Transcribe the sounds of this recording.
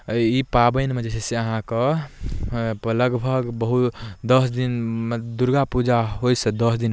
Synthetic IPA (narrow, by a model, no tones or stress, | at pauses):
ipabənmed͡ʒesʰeseəɦãkə | pləɡbʱəɡbəɦut̪d̪əsd̪inmd̪uɾɡapud͡ʒaɦojsə̃d̪əsd̪in